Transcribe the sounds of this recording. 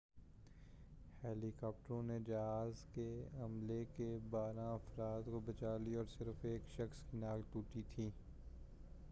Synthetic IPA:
hɛːlikaːp̚ʈəɾõned͡ʒɐɦaːzkeɐmlekebaːɾãɐfɾaːd̪kobɐt͡ʃaːliɔːɾsɪɾfeːkʃɐxskinaːkʈ̪uːʈit̪ʰiː

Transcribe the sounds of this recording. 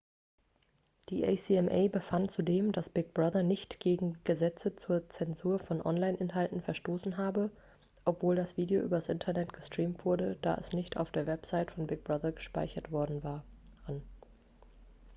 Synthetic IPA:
d̥iːʔɛsiːɛmʔɛ̰ɪbəfantt͡sudeːmdasb̥ɪk̚b̥ʁaðɐnɪçtɡ̥eːɡŋ̩ɡ̥əzɛt͡sət͡suːɐt͡sɛnzuːɐfɔnʔɔ̰nlaɪnʔɪnɦaltn̩fɛɐʃtoːsn̩ɦaːbə | ʔɔpv̥oːldasv̥iːdeoʔyːbɐasʔɪntʰɐnɛtɡ̥əstʁ̥iːmtv̥ʊɐdəd̥a̰ːʔɛ̰snɪçta̰ʊfd̥eːɐvɛpz̥aɪtfɔnbɪɡ̚b̥ʁaðɐɡəʃpa̰ɪçɐtv̥ɔɐdn̩vaːɐan

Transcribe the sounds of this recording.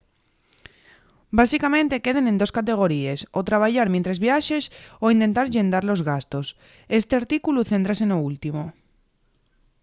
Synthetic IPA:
basikamẽ̞nt̪e̞keð̞enẽnd̪oskat̪̬e̞ɣ̞oɾiesot̪ɾaβaʎaɾmjẽnt̪ɾezβjaʃesoint̪e̞nt̪aɾʝend̪aɾlozɣast̪os | est̪eaɾt̪ikuluθent̪ɾasenoult̪imo

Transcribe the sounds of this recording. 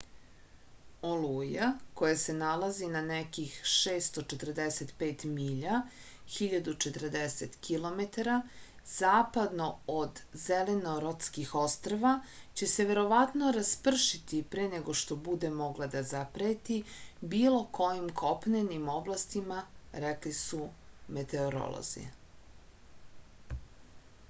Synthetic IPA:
olujako̞jase̞nalazinanekixʃeːst̪o̞t͡ʃet̪r̩d̪eset̪peːt̪miːʎa | xiʎad̪ut͡ʃet̪r̩d̪eset̪kilo̞met̪aɾa | z̥aːpad̪no̞od̪zeleno̞ɾot̪skixost̪ɾaʋat͡ɕe̞se̞ʋe̞ɾo̞ʋat̪no̞ɾaspr̩ʃit̪ipɾeːneɡo̞ʃt̪o̞bud̪emo̞ɡlˠad̪azapɾet̪ibiːlo̞kʰo̞jimkʰo̞pnenimo̞blˠast̪imaɾeklisume̞t̪eoɾo̰lˠo̰zḭ

